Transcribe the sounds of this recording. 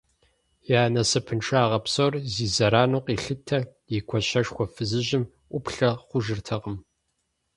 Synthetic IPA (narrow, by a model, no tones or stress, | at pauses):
jaːnɐsɨpʰɨnʈ͡ʂʰʼaːʁɐpsorziːzɐɾaːnuːqiːɬɨtʰɐjikʷʰɔɕɐʂxʷɔfɨzɨʑɪm | ʔʷʊpɬɐχʷʊʒɨrtʰɐʁəm